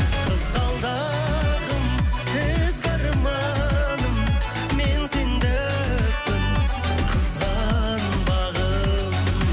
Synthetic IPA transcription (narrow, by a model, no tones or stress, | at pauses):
qʰəzʁɑlˠd̪ɑ | ʁəmbɪzbɑɾmɑ | nəm | mensend̪ɪ | k̚pɪnqʰəzʁɑnəmbɑʁə